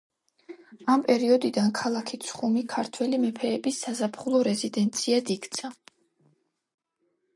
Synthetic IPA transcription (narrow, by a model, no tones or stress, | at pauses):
ampʼɛɾiɔd̪id̪ankʰalˠakʰit̪sʰχumikʰaɾt̪ʰwɛlimɛpʰɛːbisːazapʰχulˠɔɾɛzid̪ɛnt̪sʰiad̪ikt̪sʰa